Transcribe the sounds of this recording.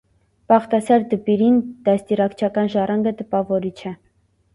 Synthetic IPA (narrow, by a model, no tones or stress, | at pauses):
pɑχt̪ɑsɑɾd̪əpiɾind̪̥ɑst̪irɑkt͡ʃʰɑkɑnʒɑrʔɑŋɡət̪əpɑvɔɾit͡ʃʰɛ